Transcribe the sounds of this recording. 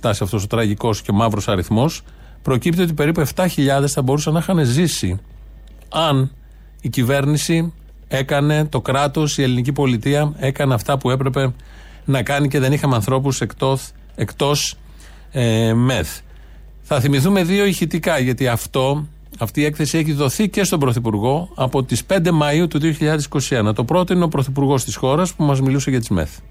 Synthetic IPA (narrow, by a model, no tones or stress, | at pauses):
t̪ɐsiɐft̪o̞sot̪ɾɐʝiko̞sceo̞mɐvɾo̞sɐɾiθmo̞s | pɾo̞cipt̪io̞t̪ipe̞ɾipueft̪ɐçiʎɐðe̞sθɐbo̞ɾusɐnɐxɐnezisi | ɐn | icive̞ɾnisi | e̞kɐne̞t̪o̞kɾɐt̪o̞sie̞linicipo̞lit̪iɐe̞kɐne̞ɐft̪ɐpue̞pɾe̞pe̞ | nɐkɐnice̞ðe̞nixɐmeɐnθɾo̞p̬usekt̪o | ekt̪o̞s | me̞θ | θɐθimiθume̞ðio̞içit̪ikɐʝɐt̪iɐft̪o̞ | ɐft̪iːe̞kθe̞sieçiðo̞θice̞st̪o̞bɾo̞θipuɾɣo̞ɐpo̞t̪ispe̞nd̪e̞mɐiut̪uðio̞çiʎɐðesi̥ko̞sienɐt̪o̞pɾo̞t̪o̞ineo̞pɾo̞θipuɾɣo̞st̪isxo̞ɾɐspumɐzmiluseʝɐt̪izmḛθ